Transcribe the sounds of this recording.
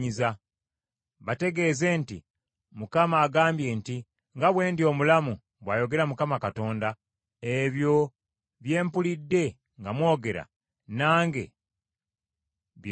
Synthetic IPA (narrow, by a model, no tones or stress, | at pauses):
iza | βate̞ɡe̞ːze̞ːnti | mukamaːɡaːmbje̞nti | ŋɡaβwe̞ːndio̞mulamu | βwaːjo̞ɡe̞ɾamukamakato̞ːnda | e̞βjo̞ | βje̞ːmpulidːe̞ | ŋɡamwoːɡe̞ɾa̰ | naːŋɡe̞̰ | β